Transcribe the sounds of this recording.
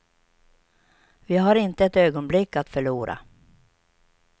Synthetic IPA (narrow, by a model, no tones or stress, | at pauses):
vɪɦaɾɪnt̪əɛt̪øːɡɔnblɪkːat̪fœɭuːɾa̰